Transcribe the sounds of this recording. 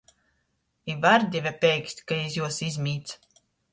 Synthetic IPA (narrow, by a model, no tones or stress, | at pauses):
ivaɾd̪ʲɛvʲɛpʲɛjksʲt̪ʲkaizjuɔsizʲmʲiːt̪s